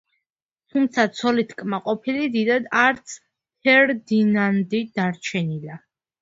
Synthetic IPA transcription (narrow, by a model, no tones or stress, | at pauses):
t̪ʰumt̪sʰat̪sʰɔlit̪ʰkʼmaqʼɔpʰilid̪id̪ad̪aɾt̪sʰ | t̪ʰɛɾd̪inand̪id̪̥aɾt͡ʃʰɛnila